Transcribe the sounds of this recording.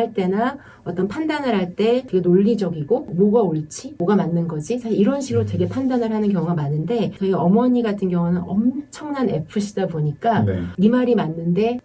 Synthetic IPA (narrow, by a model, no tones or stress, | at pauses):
ɭt͈e̞na | ʌt͈ʌnpʰandanɯɾɦaɭt͈e̞tɡenoʎːid͡ʑʌɡiɡomoɡaoɭt͡ɕʰimoɡamanːɯnɡʌd͡ʑisʰaɕiiɾʌnɕʰiɡɯɾotwe̞ɡe̞pʰandanɯɾɦanɯnkjʌŋɡamanɯnde̞tʌʌmʌɲiɡatʰɯnɡjʌŋunɯnʌmt͡ɕʰʌŋnane̞̰pʰɯɕʰidaboɲik͈aimaɾimanːɯnde̞